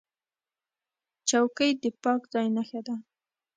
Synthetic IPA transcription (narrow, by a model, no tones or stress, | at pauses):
t͡ʃawkəjd̪əpɑkzɑjnaxad̪a